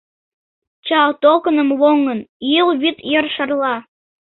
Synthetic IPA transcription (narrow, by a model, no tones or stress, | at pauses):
t͡ɕɑlt̪okənəmβoŋənilβit̪jərʃərlɑ